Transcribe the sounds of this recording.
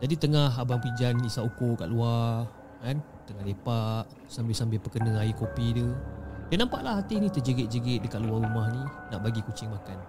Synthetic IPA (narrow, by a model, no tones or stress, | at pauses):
d͡ʒadit̪əŋaɦabaŋpid͡ʒanisaukʊʔka̰ʔluar | kan | t̪əŋahlepaʔ | sambɪsambɪhpəkənə̃aikopidudanãmpaʔlaɦat̪ɪhnĩt̪əd͡ʒəɡɪʔ̚d͡ʒəɡɪʔ̪̚dəkat̪̚luaɾumahninaʔbaɡikut͡ʃɪŋmakan